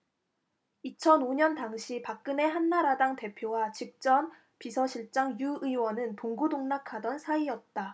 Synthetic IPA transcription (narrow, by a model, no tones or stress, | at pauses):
it͡ɕʰʌnoɲʌntaŋɕʰipak̚k͈ɯne̞ɦanːaɾadaŋte̞pʰjowat͡ɕik̚t͡ɕ͈ʌm | pisʰʌɕʰiɭt͡ɕ͈aŋjuɯiwʌnɯnpoŋɡudoŋnakʰadʌnsʰaijʌt̚t͈a